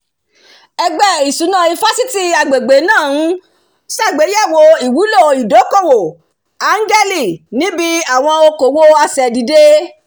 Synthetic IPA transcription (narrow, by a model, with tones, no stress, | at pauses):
ɛ˧ɡ͡bɛ˦˨i˨su˨˦nã˦˨i˧fa˦si˦ti˦˧a˨ɡ͡be˨ɡ͡be˨˦nãː˦˨˦ | sa˦˨ɡ͡be˨˦ja˦˨wo˧i˨wu˨˦lo˦˨i˨do˨˦ko˦˨wo˨ | a˨˦ŋ˦ɡɛ˦li˦˨nĩ˨˦bi˦a˦˨w̃ɔ̃˧o˧ko˨wo˦a˧sɛ˨di˨de˦